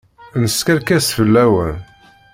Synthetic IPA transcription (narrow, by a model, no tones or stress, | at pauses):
nəskəɾkæsfəlːæwæ̰n